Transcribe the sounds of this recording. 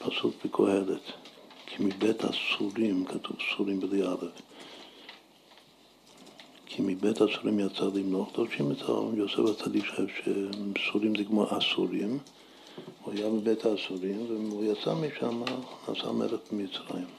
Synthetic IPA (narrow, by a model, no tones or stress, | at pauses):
pʰasukbikʰohelet̪kʰimibet̪ʰa̰suɾimkʰat̪uvsuɾimbedialev | kʰimibetasuɾimjat͡salimloχd̪oʃimet̪ao̰mjosevat͡sad̪ikʃaevʃesuɾimzɛkmoʔasṵɾim | uajamibet̪ʰaːsuɾimveujat͡samiʃamana̰ːsa̰mḛlefbimit͡sɾa̰im